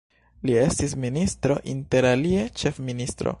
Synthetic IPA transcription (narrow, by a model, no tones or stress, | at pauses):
lie̞stisministɾo̞̰ʔinte̞ɾalie̞t͡ʃe̞fministɾo̞̰